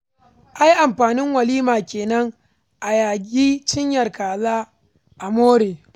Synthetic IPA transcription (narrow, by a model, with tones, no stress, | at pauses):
ʔa˦jʔa˨mɸaː˨nɪ˦ŋwɐ˨liː˦maː˨kʲeː˨nɐ˦ŋ | ʔa˨jaː˨ɡʲiː˦t͡ʃɪ˦ɲjɐ˨rkaː˨zaː˦ | ʔa˨moː˦ɽeː˨